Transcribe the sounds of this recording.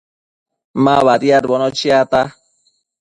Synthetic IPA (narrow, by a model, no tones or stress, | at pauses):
maβaɾiaɾbɔnɔt͡ʃiat̪a